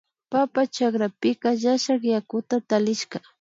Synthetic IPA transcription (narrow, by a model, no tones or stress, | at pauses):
papat͡ʃakɾapɪkaʒaʃakjakʊt̪at̪alɪʃka